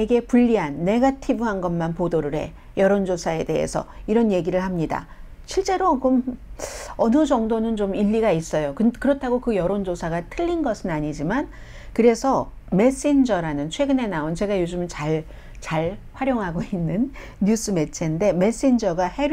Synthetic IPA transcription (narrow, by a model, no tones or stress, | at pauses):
eɡe̞puʎːiɦanːe̞ɡatʰibɯɦanɡʌnmanpodoɾɯɾɦe̞̰ | jʌɾond͡ʑosʰae̞de̞̰ɦe̞̰sʰʌ̰iɾʌnje̞ɡiɾɯɭhamɲida̰ | ɕʰiɭt͡ɕ͈e̞ɾokom | ʌnɯd͡ʑʌŋdonɯnt͡ɕomiʎːiɡais͈ʌjokɯkɯɾʌtʰaɡokɯjʌɾond͡ʑosʰaɡatʰɯʎːinɡʌsʰɯnaɲid͡ʑiman | kɯɾe̞sʰʌ | me̞s͈end͡ʑʌɾanɯnt͡ɕʰwe̞ɡɯne̞naont͡ɕe̞ɡajod͡ʑɯmt͡ɕaɭ | t͡ɕaɭɸwaɾjoŋɦaɡoinːɯnː | us͈ɯme̞t͡ɕʰende̞me̞s͈end͡ʑʌɡahe̞